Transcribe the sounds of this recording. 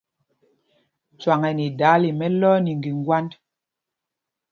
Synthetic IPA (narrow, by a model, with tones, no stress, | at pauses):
t͡swa˨ŋɛ˨ni˨da˨˦li˨mɛ˦lɔː˦ni˨ŋ˨ɡi˨ŋ˦ɡwa˦nd